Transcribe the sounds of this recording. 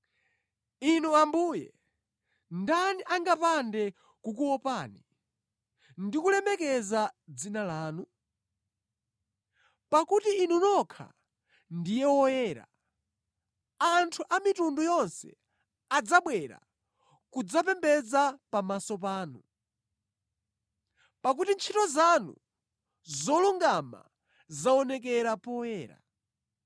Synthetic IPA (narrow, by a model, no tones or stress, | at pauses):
inuambuːjɛ̰ | ndaniʔaŋɡapandɛ | kukuɔpaːni | ndikulɛmɛkɛzad͡zinalaːnu | pakutiːnunɔkʰa̰ | ndijɛwɔjɛːɾa̰ | antʰuʔamitundujɔnsɛ̰ | ad͡zaɓwɛɾa̰ | kud͡zapɛmbɛd͡zapamasɔp̬aːnu | pak̬utint͡ʃʰitɔzanṵ | zɔluŋɡama̰ | zaɔnɛk̬ɛɾapɔjɛːɾa̰